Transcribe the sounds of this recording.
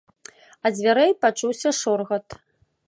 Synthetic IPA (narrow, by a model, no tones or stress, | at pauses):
ɐd͡zʲvʲaɾɛjpat͡ʂuwsʲɐʂɔrɣɐt̪